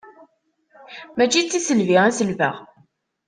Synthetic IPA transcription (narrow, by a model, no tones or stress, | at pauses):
mæt͡ʃːit͡sːisəlviʁæsəlvæ̰ʁ